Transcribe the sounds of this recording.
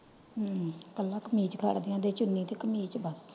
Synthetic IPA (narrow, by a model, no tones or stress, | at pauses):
kəlːãːkəmiːt͡ʃkʰa̰ːɽd̪ɪjãːd̪eːt͡ʃʊnːĩːt̪eːkəmiːt͡ʃbəs